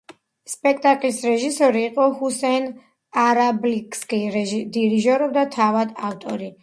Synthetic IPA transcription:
spʼɛkʰt̪ʼakʼlisɾɛʒisɔɾiːqʼɔhusɛn | aɾablikskʼid̪iɾiʒɔɾɔbd̪at̪ʰavad̪aft̪ʼɔɾi

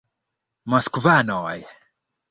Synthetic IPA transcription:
mɔskuvanɔj

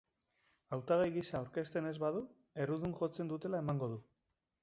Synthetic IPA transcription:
awt̪aɣejɣisaːwɾke̞st̪e̞ne̞zβaðu | e̞ruðuŋʝo̞t͡se̞nd̪ut̪e̞lae̞maŋɡo̞ðu

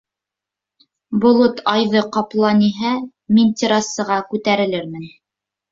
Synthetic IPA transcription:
bŏlˠot̪ɑjðɤqɑplˠɑniɦæ | mint̪ʲɪɾɑsːɤ̆ʁɑkʉt̪æɾɘ̆lɘɾmɘn

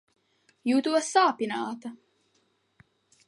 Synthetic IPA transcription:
juːt̪uɔsaːpʲinaːt̪ɐ

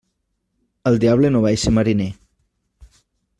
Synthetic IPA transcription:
əlˠd̪iaβlənoβaeseməɾine

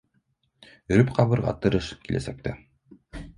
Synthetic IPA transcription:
ɵ̆ɾɵpqʰɑβɤ̆ɾʁɑ̰t̪ɤ̆ɾɤʃkilʔæ̰sæk̚t̪æ

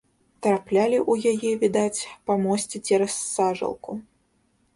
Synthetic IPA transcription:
t̪ɾaplʲalʲiʔujajɛvʲid̪at͡sʲpamɔsʲt͡sʲit͡sʲɛɾɐsːaʐɐ̰lˠku

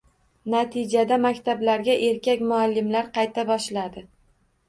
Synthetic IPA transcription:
nat̪ʰɪd͡ʒad̪amakʲt̪ʰablaɾɡʲaʔe̞ɾkʲakʲmʊalːɪmlaɾqʰɑjt̪ʰabɒʃlad̪ɪ

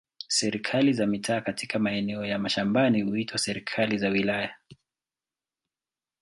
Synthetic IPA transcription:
sɛɾikʰalizamitʰaːkatikamaɛnɛɔjamaʃambanihuitwasɛɾikʰalizawilaja

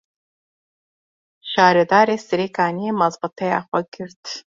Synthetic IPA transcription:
ʃaːɾadaːɾesɨɾekʰaːnimazbatʰaja̰χʷaɡʲɨrtʰ

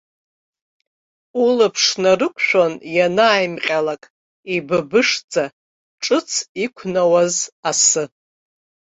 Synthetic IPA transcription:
ulɨpʰʂnarɨkʷʼʰʃᶣonjanaːjmqʲʼalakʼ | ibɨbɨʂd͡zʼa | ʈ͡ʂʼɨt͡sʰikʷʰnawazasɨ

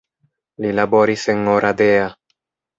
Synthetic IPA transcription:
lilaboɾiseŋoɾʔad̪ea

